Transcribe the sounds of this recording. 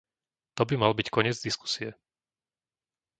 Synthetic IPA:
t̪ɔbimalbickʰɔɲɪɛd͡zd̪isku̥siɛ

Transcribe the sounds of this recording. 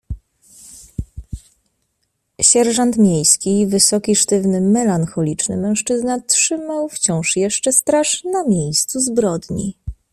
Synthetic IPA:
ɕɛɾʐant̪mʲjejskʲivɘsɔkʲiʂt̪ɘvnɘmɛlanxɔlʲit͡ʂnɘ̰mɛ̃w̃ʂt͡ʂɘznatʂɘmawft͡ɕɔ̃w̃ʂjɛʂt͡ʂɛst̪ɾaʂnamʲjejst̪suzbɾɔd̪ɲḭ

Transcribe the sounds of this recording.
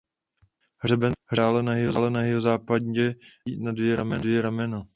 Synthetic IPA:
ɦr̝ɛbɛnɦɾaːlɛnaɦɪɦozaːlɛnaɦɪɦozaːpadɛnadvjɛɾamɛdvjɛɾamɛna

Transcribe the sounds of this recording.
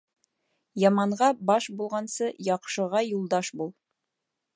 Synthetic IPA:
jɑmɑɴʁɑbɑʃbulˠʁɑnsɤjɑqʃɤ̆ʁɑjulˠd̪ɑʃbulˠ

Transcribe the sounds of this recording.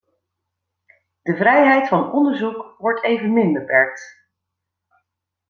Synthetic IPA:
d̥əvrɛjɦɛjtfɑnɔndəɹzukʋɔɹtʰejvənmɪnbəpɛɹk̚t

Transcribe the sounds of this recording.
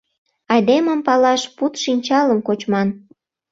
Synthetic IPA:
ɑjd̪eməmpɑlɑʃput̪ʃinʲt͡ɕɑləmkot͡ɕmɑn

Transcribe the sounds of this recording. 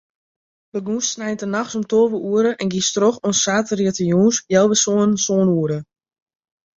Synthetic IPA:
bəɡuːssnɛjtənaxsomtoːʋəʔuəɾəʔɛnɡistroxonsːaːtəriətəjuːnsjɛlˠʋəsoːənsoːnuəɾə

